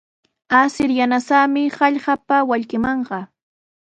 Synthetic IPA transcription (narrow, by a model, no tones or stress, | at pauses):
asɪɾjanasaːmɪhɑʎɢapawaʎɢɪmɑɴɢɑ